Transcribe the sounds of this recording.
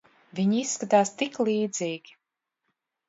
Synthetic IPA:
vʲiɲisːkat̪aːst̪iklˠiːd̪ziːɡʲi̥

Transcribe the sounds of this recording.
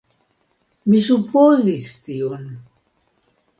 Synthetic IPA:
misupʰozist̪ion

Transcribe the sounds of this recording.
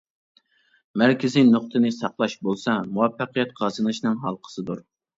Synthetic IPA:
mæɾkʲɪzinoχt̪ʰɨnɨsɑqlˠɑʃbolˠsɑmuwɑfːəqijɛt̪̚qʰɑzɨnɨʃnɨŋɦɑlˠqʰə̥sɨd̪uɾ

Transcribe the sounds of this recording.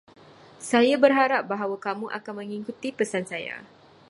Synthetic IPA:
sajabərɦaɾap̚baɦawakamuʔa̰kanmə̃ŋikut̪ipəsansaja̰

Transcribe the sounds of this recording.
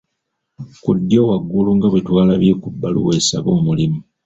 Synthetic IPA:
kudːjo̞ːwaɡːuluŋɡaβetwaːlaβikubːalṵwesaβo̞ːmulimu

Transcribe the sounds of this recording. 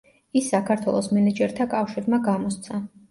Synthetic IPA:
isːakʰaɾt̪ʰwɛ̰lˠɔsmɛnɛd͡ʒɛɾt̪ʰakʼafʃiɾmaɡamɔst̪sʰa

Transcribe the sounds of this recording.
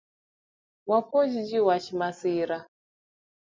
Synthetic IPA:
wapɔʒid͡ʒiwaʃimasiɾa

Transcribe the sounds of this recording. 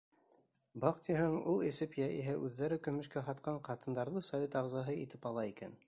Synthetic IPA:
bɑqt̪iɦæŋulˠisɘpjæʔḭɦæʔʉðːæɾɘkɵ̆mɵ̆ʃkæɦɑt̪̚qɑɴqɑt̪ɤ̆nd̪ɑɾðɤsɐvʲet̪ɑʁzɑɦɤit̪ɘpɑlˠɑikæ̰n

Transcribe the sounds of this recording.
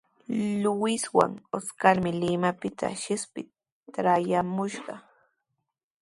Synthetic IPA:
lʊwɪswa̰ŋoskaɾmɪlɪmapɪt̪ʰa̰ʃɪspɪ | ɾajamʊʃɢɑ

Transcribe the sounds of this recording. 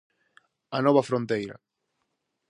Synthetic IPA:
ɐnɔβɐfɾont̪ejɾɐ̰

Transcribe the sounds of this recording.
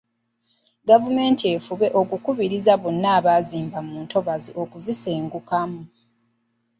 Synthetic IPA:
ɡavume̞ːntie̞fuβe̞ʔo̞kukuβiɾizaβo̞nːaːβaziːmbamuːntʰo̞βaziʔo̞kuziseːŋɡukamu

